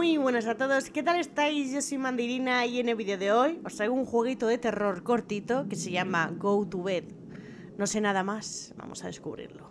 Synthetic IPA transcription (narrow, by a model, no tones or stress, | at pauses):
miβwenos̬at̪oð̞oske̞t̪̬ale̞st̪ajzʝosimãnd̪iɾinaieneβiðjoðeojost̪ɾajɣuŋxweɣ̞it̪oðe̞t̪e̞ro̞ɾkoɾt̪it̪oke̞seʝamaɡowt̪uβet | no̞se̞naðamasba̰mosaðeskuβ̞ɾḭɾlo